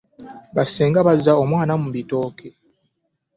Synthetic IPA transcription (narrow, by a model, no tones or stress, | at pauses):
βaseːŋɡaβazːao̞mwaːnamuβito̞ːkʰe